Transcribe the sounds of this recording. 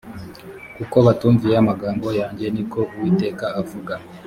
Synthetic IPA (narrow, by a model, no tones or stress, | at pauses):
kuko̞βatuːɱvijeamaɡaːmbo̞jaːɲɟe̞niko̞ʔuwite̞ːkaːvuɡa